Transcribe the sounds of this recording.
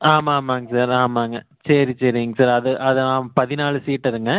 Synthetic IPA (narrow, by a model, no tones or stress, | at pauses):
aːmaːmaːŋɡɐsaːɾaːmaːŋɡɐ | sɐɾisɐɾɪŋɡɐsaːɾɐðɯʔɐðɐaːmpɐðɪnaːɭɯsiːʈːɐɾɯŋɡɐ